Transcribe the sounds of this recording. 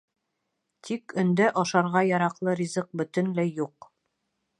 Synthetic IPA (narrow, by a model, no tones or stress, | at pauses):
t̪ʰikɵ̆nd̪æʔɑʃɑɾʁɑjɑɾɑqlˠɤɾʲizɤq̚bɵ̆t̪ɵ̆nlæjːuq